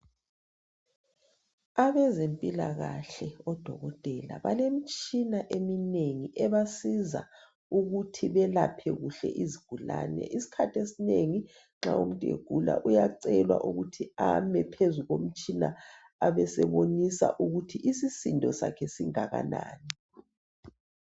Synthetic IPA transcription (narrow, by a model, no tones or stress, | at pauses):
aβɛzempʼilaɣaɬɛɔd̥ʱɔɣɔtʼɛla̰βalem̩t͡ʃʼinaʔemineŋiʔɛβasiza̰ | uɣutʰiβɛlapʰɛɣuɬɛ̰ʔiziɡ̥ʱulanɛ̰ʔisi̥kʰatʰesineŋi | ŋ͡ǁaum̩tʼḛɡ̥ʱula̰ʔujaǀɛlwa̰ʔuɣutʰiamɛpʰezuɣom̩t͡ʃʼina | aβɛsɛβonisa̰ʔuɣutʰiʔisisindʱɔsa̰kʰɛsiŋaɣanaːniɛ